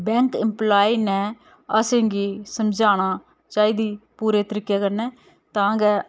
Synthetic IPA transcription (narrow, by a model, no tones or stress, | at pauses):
bɛ̃ːŋkɪmplaːiːnɛː | əsẽːɡiːsəmd͡ʒaːɽ̃aː | t͡ʃaːiːd̪iːpuːɾeːt̪əɾiːkːjaːkəɾnɛː | t̪ãːɡɛː